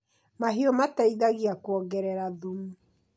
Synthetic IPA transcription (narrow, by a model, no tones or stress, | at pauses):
maɦiɔmataiðaɣiakwɔɡɛɾɛɾaðumu